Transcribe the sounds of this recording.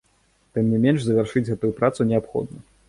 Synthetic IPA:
t̪ɨmnʲimʲɛnʂzɐvʲarʂɨd͡zʲɣɛt̪ujupɾat̪sunʲɛapxɔ̰d̪̚nɐ

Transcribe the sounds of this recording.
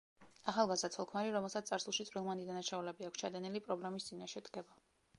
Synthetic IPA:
aχalˠɡazd̪at̪sʰɔlˠkʰmaɾiɾɔmɛlˠsat̪st̪sʼaɾsulˠʃit̪sʼɾilˠmand̪id̪anaʃaulɛbiakʷʰst͡ʃʰad̪ɛnɛlipʼɾɔblɛmist̪sʼinaʃɛd̪ɡɛba

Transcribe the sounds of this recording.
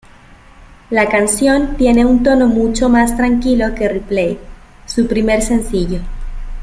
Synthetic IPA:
lakansjo̞nt̪je̞ne̞unt̪o̞no̞mut͡ʃomast̪ɾaŋkilo̞ke̞riplej | supɾime̞ɾse̞nsiʝo̞

